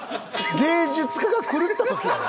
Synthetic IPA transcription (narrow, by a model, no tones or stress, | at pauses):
ɡeːd͡ʑɨt͡sɨ̥kaɡakʰɯ̟ɾɯ̟t̪ːat̪o̞kʲi